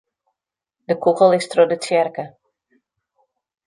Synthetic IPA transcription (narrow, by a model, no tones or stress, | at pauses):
dəkʰukəlˠɪstrodətjɛrkə